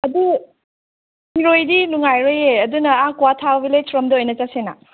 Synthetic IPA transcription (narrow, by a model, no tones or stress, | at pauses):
ɐdi | hiɾojdinuŋajɾojeɐdunɐakuwatʰabilesɾɔmdɐojnɐt͡ʃasena̰